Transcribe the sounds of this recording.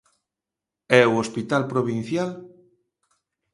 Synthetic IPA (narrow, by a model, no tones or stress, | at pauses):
ɛuospit̪alpɾoβĩn̟θjal